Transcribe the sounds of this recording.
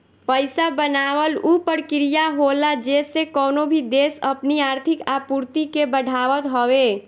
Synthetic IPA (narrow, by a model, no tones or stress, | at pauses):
pəɪsabənawəlupəɽkiɾijaɦolad͡ʒesekɔnobʱid̪esəpniaɾt̪ʰikapuɾt̪ikebəɽʱaʋət̪ɦɔwe